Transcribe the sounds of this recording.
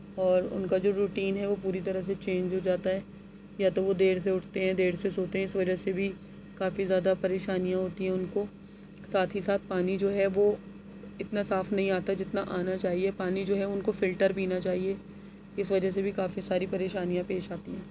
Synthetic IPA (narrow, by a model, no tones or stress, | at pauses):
ɔːɾʊ̰nkad͡ʒoːɾuːʈiːnɦɛʋopuːɾit̪ɐɾəɦset͡ʃẽːɲd͡ʒɦoːd͡ʒaːt̪aɦɛː | jaːt̪oʋod̪eːɽs̬eʊʈʰt̪eɦɛ̃d̪eːɽsesoːt̪eɦɛ̃ɪsʋɐd͡ʒəsebʱi | kaːfizjaːd̪apɐɾeːʃaːnijãɦoːt̪iɦɛ̃ʊnko | saːt̪ʰɦisaːt̪̚ʰpaːnid͡ʒoːɦɛʋo | ɪt̪nasaːfnɐɦĩaːt̪ad͡ʒɪt̪naʔaːnat͡ʃaːɦiepaːnid͡ʒoːɦɛʊnkofɪlʈəɾpiːnat͡ʃaːɦie | ɪsʋɐd͡ʒəɦs̬ebʱikaːfisaːɾipɐɾeːʃaːnijãpeːʃaːt̪iɦɛ̃ː